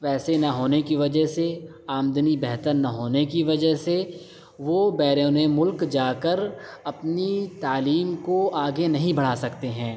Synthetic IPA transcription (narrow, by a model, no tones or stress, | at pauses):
ʋɛːsenɐɦoːnekiʋɐd͡ʒəɦse | aːmd̪nibɛɦt̪əɾnɐɦoːnekiʋɐd͡ʒəɦse | ʋobɛːɾeːnemʊlkd͡ʒaːkəɾ | ɐpnit̪aːliːmkoaːɡenɐɦĩbɐɽ̤aːsɐkt̪eɦɛ̃ː